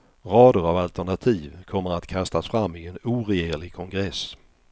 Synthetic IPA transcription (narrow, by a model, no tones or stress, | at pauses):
ɾɑːd̪əɾavalt̪æɳat̪ʰiːvkʰɔmːəɾat̪kʰast̪asfɾamːɪɛnuːɾeeːɭɪɡ̚kʰɔŋɡɾɛs